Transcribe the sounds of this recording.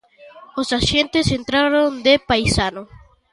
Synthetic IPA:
osasje̞nt̪esent̪ɾaɾond̪epajsano

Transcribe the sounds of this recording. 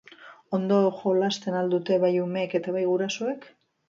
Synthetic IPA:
o̞nd̪o̞ʝo̞last̪e̞nald̪ut̪e̞βajume̞ke̞t̪aβajɣuɾaso̞ek

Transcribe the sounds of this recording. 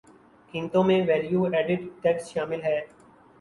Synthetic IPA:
kɪ̃nt̪õmẽʋɛːljuɛːɖɪʈʈɛksʃaːmɪlɦɛː

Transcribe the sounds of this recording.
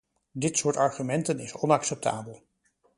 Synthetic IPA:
dɪtsʊːɹtɑɹχymɛntənɪ̰sɔnɑksɛp̚tʰa̰ːbəlˠ

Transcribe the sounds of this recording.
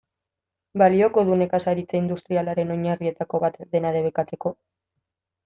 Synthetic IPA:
balio̞ko̞ð̞une̞kasaɾit͡seind̪ust̪ɾialaɾe̞no̞ɲarie̞t̪ako̞βat̪d̪e̞naðe̞β̞e̞kat͡se̞ko̞

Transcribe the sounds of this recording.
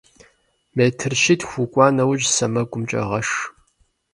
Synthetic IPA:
meːtʰɨrʃɪtʰxʷʊkʷʼɑːnɐwʒsɐmɐɡʷʼʊmt͡ʃʼɐ̰ʁɐʂ

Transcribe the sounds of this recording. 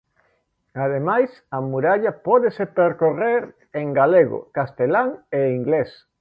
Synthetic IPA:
að̞emajsɐmuɾaʎɐpɔðesepeɾkoreɾ | eŋɡaleɣo̰kast̪elaŋeiŋɡles

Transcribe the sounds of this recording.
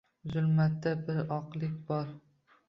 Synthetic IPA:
zʊlˠmat̪ːabɪɾɒqlˠɪkʲbɒɾ

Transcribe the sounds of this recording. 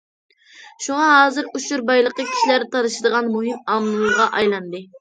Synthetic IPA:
ʃuŋɑɦɑːzɨɾut͡ʃuɾbɑjlˠəqəkʲʰi̥ʃilæɾt̪ʰɑɾɨʃɪd̪əʁɑnmuɦɨmɑmlˠuʁɑʔɑjlˠɑnd̪ɨ

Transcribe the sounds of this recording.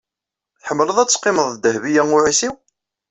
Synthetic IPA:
θħəmːləðˤæt͡sːqːɪməðˤd̪əhvijæŋʊʕisiw

